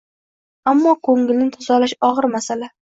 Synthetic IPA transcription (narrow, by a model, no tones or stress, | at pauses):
amːɒkʰɵŋɪlnɪt̪ʰazɒlaʃɒʁɨɾmasala